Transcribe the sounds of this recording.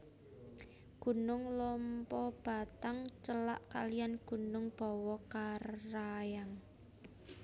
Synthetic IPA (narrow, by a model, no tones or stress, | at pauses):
ɡ̥ṳnʊŋlɔmpɔb̥a̤t̪aŋt͡ʃəla̰ʔkalijanɡ̥ṳnʊŋb̥ɔ̤wɔkaajaŋ